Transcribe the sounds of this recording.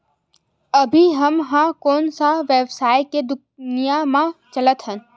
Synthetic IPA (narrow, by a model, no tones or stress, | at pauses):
əbʱiɦəmɦãkoːnsaʋeːbsaːjked̪ʊk̚nijamãt͡ʃələt̪ɦən